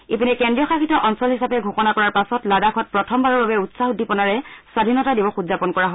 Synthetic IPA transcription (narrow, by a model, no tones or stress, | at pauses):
epinɛkɛndɹijɔxaxʰitɔʔɔnsɔlɦisapɛɡʱokɔnakɔɹaɹpasɔtladakʰɔt̚pɹɔtʰɔmbaɹɔɹbabɛutsaxudʱipɔnaɹɛswadʱinɔtadibɔxudzapɔnkɔɹaɦɔ